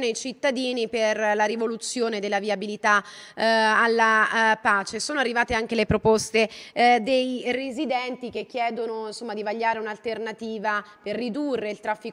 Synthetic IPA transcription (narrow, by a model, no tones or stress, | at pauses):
nejt͡ʃit̪ːad̪iːniperlaɾivolut̪sːjoːned̪elːaviabilit̪aː | lːapaːt͡ʃesoːnoarːivaːt̪eaŋk̟elepɾopost̪ed̪ejrezid̪ɛnt̪ik̟ek̟ːjɛːd̪onoinsomːad̪ivaʎːaːɾeunalt̪ernat̪iːvaperːid̪urːeilt̪ɾafːi